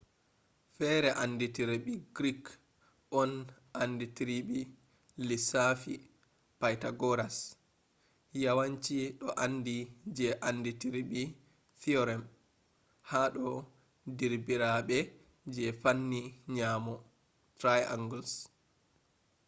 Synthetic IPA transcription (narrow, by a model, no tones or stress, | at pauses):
fɛɾɛʔanːditiɾiɓiɡɾik | ɔn | anditiɾiɓi | lisafi | pajtaɡɔɾas | jawaɲt͡ʃiɗɔʔandid͡ʒɛʔanditiɾiɓi | θiɔɾɛm | haɗɔ | diɾbiɾaɓɛ | d͡ʒɛfanːiɲaːmɔ | tɾaja̰ŋɡuls